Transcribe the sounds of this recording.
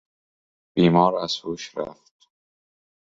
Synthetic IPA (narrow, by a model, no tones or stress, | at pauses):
b̥iːmɒːɾæz̥huːʃɾæ̰ft̪̚